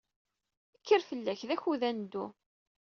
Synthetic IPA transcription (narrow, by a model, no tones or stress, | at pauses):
əkʰːəɾfəlːæçðæçuðænd̪ːu